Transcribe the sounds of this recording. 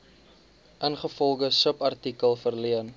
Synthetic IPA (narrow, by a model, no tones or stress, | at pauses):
ʔənχəfɔlˠχəsəpɐrtikəlˠfərliən